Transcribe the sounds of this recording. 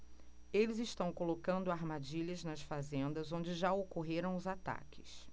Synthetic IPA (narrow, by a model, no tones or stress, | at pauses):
elɪzɪʃt̪ɐ̃w̃kolokɐ̃nd̪ʊaɾmad͡ʒiʎɐznɐsfazẽnd̪ɐzõd͡ʒɪʒaokoɦeɾɐ̃w̃ʊzat̪a̰kɪ̥s